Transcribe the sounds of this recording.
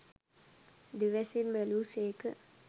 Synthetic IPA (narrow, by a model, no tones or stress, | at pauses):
d̪iʋɛsinbɛluːseːkə̰